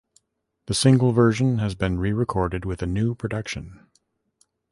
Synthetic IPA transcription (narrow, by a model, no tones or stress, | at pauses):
ðɨsɪ̃ŋɡl̩ˠvɜ˞ʒɨ̃nɨzbɨ̃nɹiɹɨkʰɔɹɾɨd̚wɨðɨnʉpʰɹ̥ɨdʌkʃɨ̃n